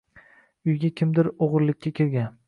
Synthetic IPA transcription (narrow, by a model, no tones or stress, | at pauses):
ʊjɡʲakʲʰɪmd̪ɪɾoʁɾlɪkʲːakʲʰeɾɡʲan